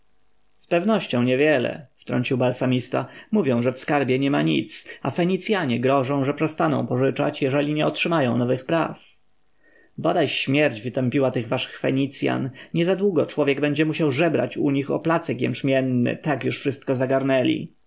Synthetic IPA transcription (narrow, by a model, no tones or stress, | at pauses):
spɛvnɔɕt͡ɕɔ̃w̃ɲɛvʲjɛlɛ̰ft̪ɾɔ̰ɲt͡ɕiwbalsamʲist̪a̰muvʲjɔ̃w̃ʐɛfskaɾbʲjɛɲɛmaɲḭt̪safɛɲit̪sʲjaɲɛɡɾɔʐɔ̃w̃ʐɛpʂɛst̪anɔ̰̃w̃pɔʐɘt͡ʂa̰t͡ɕjɛʐɛlʲiɲɛɔtʂɘmajɔ̃w̃nɔvɘxpɾaf | bɔd̪ajɕmʲjɛɾd͡ʑvɘt̪ɛmpʲiwat̪ɘɣvaʂɘ̥xfɛɲit̪sʲja̰nɲɛzad̪wuɡɔt͡ʂwɔvʲjɛɡbɛɲd͡ʑɛmuɕawʐɛbɾa̰t͡ɕuɲixɔ̰plat̪sɛkjɛ̰nt͡ʂmʲjɛnːɘ̰t̪akjuʂfʂɘst̪̚kɔzaɡaɾnɛlʲḭ